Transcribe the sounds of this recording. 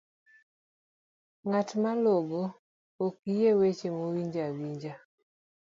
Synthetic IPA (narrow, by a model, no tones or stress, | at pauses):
ŋatmaloɡo | okijewet͡ʃemowiɲd͡ʒawiɲd͡ʒa